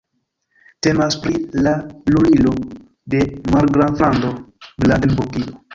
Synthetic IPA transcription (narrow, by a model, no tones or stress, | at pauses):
te̞maspɾilalulilo̞ | de̞malɡɾanflando̞bladenbukio